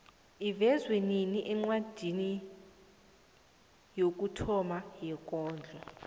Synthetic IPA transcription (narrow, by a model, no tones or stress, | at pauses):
ivɛzweniniʔɛŋ͡ǀwad̥ʱini | jok̬ʼutʰɔmajɛk̬ʼɔːnd͡ɮʱɔ